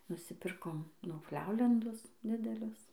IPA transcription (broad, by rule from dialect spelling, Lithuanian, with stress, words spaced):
nʊsʲɪˈpʲɪrkoːm nʲʊfʲˈlʲɛʊlʲɛndʊs ˈdʲɪdʲɛlʲʊs